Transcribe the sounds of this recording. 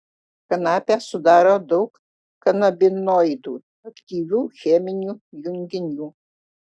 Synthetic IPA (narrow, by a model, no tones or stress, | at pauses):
kɐnɑːpʲæsʊd̪ɑːɾoːd̪ɒʊk | kɐnɐbʲɪnoːɪd̪uː | ɐkt̪ʲiːʋʲuːxʲɛmʲɪnʲuːjʊŋʲɡʲɪnʲuː